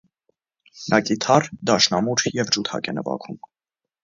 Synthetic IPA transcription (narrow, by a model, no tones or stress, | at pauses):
nʔɑkʼit̪ʰɑrd̪ɑʃnɑmuɾjɛvd͡ʒut̪ʰɑ̰kɛnəvɑ̰kʰum